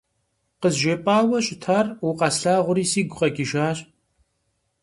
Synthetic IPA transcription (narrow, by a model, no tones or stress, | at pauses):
qəzʒeːpʼaːwɐɕʼɪtʰaruqɑsɬaːʁʷʊɾiːsiːɡʷqʼɐkʲʼɪʒaːɕʼ